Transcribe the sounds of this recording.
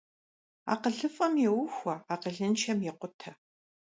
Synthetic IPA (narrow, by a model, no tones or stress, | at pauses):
a̰ːqəɮɨfʼɐmjɛwʊxʷɐaːqəɮɨnt͡ʃʰɐmjɛqʷʊtʰɐ